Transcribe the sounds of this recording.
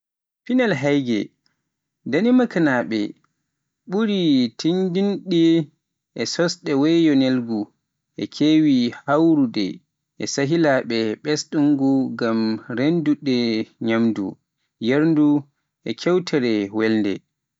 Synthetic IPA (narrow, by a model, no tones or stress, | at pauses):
pinalɦajɡɛ̰ | danimakanaɓɛ̰ | ɓuɾitʰindinɗi | ʔɛsɔsɗɛwɛjɔnelɡu | ʔɛkʰewihawɾudɛ̰ | ʔɛsaɦilaɓɛɓɛsɗuŋɡuɡamɾenduɗɛɲamdṵ | jeɾndu | ʔɛkʰɛwtʰɛɾɛwɛlndɛ̰